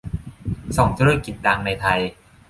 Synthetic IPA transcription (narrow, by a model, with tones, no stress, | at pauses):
sɔː˩˦ŋt̪ʰuː˦˥a˧˥ki˨˩t̪̚ːaː˧ŋna˧jt̪ʰa˧j